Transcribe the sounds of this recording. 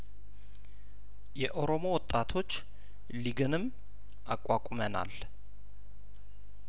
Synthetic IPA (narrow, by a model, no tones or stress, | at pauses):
jɛʔo̞ɾo̞mo̞wɔt̪ʼːat̪ʰo̞t͡ʃː | liɡɨnɨm | ʔakʼːakʼuməna̰l